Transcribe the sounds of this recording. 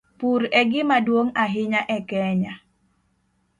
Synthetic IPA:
puɾɛɡɪmadwoŋaɦɪɲaʔɛkɛɲa

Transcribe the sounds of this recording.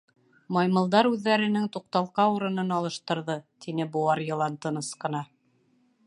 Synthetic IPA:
mɑjmɤ̆lˠd̪ɑɾʉðːæɾɘ̆nɘŋt̪uq̚t̪ɑlˠqɑuɾɤ̆nɤnɑlˠɤ̆ʃt̪ɤ̆ɾðɤt̪inɘbuɑɾjɤ̆lˠɑnt̪ɤ̆nɤsqɤ̆nɑ

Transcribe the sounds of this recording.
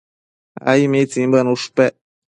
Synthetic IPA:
a̰imet͡simbənuʂpɛ

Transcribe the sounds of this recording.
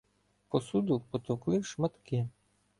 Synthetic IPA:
pɔsud̪ʊpɔt̪ɔwklˠɪwʃmɐt̪kɪ

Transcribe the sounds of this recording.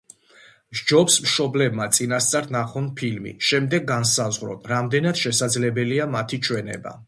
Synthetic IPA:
ʒd͡ʒɔpsmʃɔblɛbmat̪sʼinast̪sʼaɾnaχɔnpʰilmḭʃɛmd̪ɛɡːansazʁɾɔ̰nɾamd̪ɛnad̪̥ʃɛsad̪zlɛbɛliamat̪ʰit͡ʃʰwɛnɛ̰ba̰

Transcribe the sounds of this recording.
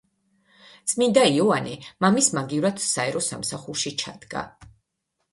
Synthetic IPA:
t̪sʼmind̪aiɔanimamismaɡivɾat̪saɛɾɔsa̰msaχuɾʃit͡ʃʰad̪̥ɡa̰

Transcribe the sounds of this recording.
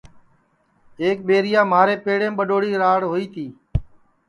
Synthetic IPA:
eːk̚ɓeːɾɪjaːmaːɾeːpeːɽẽːɓəɗoːɽiːɾaːɽɦoːiːt̪ʰiː

